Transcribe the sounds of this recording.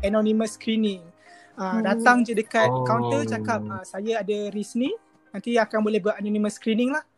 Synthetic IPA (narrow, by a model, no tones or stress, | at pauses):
anõnĩməskɾinɪŋ | əmdat̪aŋd͡ʒədəkat̪̚kawnt̪ət͡ʃakap̚əsajaadaɾisni | nãnt̪iakanbolɛhbʔanõnĩmə̃skɾinɪŋlah